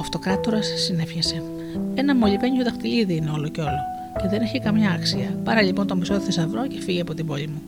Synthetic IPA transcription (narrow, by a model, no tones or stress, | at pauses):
ɐft̪o̞kɾɐt̪uɾɐsːine̞fçese̞ | e̞nɐmo̞ʎipe̞ɲioðɐxt̪iliðiineo̞loce̞o̞lo̞ | ce̞ðe̞ne̞çikɐmɲɐːksiɐpɐɾɐʎipont̪o̞miso̞t̪i̥θesɐvɾo̞ce̞̥fiʝeɐpo̞t̪ibo̞ʎimu